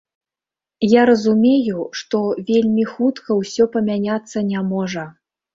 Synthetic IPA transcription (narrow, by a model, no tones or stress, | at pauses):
jaɾɐzumʲejuʂt̪ɔvʲelʲmʲixut̪kɐwsʲɔpɐmʲanʲat̪sːɐnʲamɔʐɐ